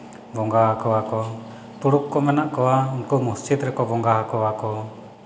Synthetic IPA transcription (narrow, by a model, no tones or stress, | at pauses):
bɔŋɡaakɔwakɔ | t̪uɽukːɔmɛnaʔkɔwauŋkumust͡ʃid̪ɾɛkɔbɔŋɡaɦakɔwakɔ